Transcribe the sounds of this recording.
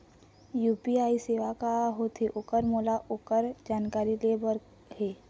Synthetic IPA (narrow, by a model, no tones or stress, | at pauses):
juːpiaːiseːʋakaɦot̪ʰeʔʊkəɾmoːlaʔʊkəɾd͡ʒaːnkaːɾilebəɾ | ɦeː